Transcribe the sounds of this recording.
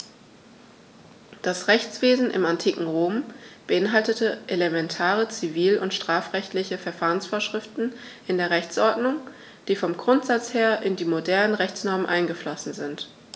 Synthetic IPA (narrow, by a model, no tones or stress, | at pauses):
d̥asʁɛçt͡sv̥eːzn̩ʔɪ̰mantʰiːkŋ̩ʁoːmb̥əʔɪnɦaltətəʔelemɛntʰaːʁət͡siviːlʊntʃtʁ̥aːfʁɛçtlɪçəfɛɐfaːʁənsfoːɐʃʁ̥ɪftn̩ʔɪndeːɐʁɛçt͡sʔɔɐdnʊŋ | d̥iːfɔmɡʁʊntz̥at͡sheːɐʔɪndiːmodɛɐnənʁɛçt͡snɔɐmənʔaɪnɡəflɔsn̩zɪnt